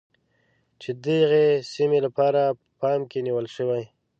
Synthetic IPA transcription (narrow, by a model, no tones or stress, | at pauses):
t͡ʃed̪əɣesimelapɑɾapəpɑmkeniwəlʃəwaj